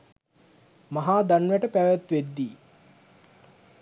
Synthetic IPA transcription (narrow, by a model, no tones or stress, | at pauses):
maɦaːd̪anʋæʈəpæʋæt̪ʋed̪ːiː